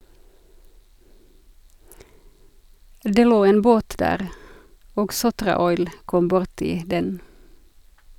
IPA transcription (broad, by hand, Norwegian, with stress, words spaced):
ˈdeː ˈloː ˈeːn ˈboːt ˈdæːʁ ˈoːɡ ˈsʊtʁɑˌɔʏl ˈkɔm ˈbʊʁtɪ ˈdɛn